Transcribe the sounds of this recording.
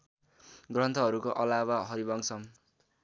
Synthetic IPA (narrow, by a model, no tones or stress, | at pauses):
ɡrʌnt̪ʰʌɦʌɾukoʔʌlabaɦʌɾibʌŋsʰʌm